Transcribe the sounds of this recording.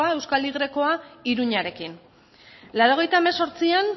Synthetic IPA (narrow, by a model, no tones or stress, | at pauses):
ae̞wskaliɣ̞ɾe̞ko̞aiɾuɲaɾe̞kin | lawɾo̞ɣ̞e̞jt̪aemeso̞ɾt͡sian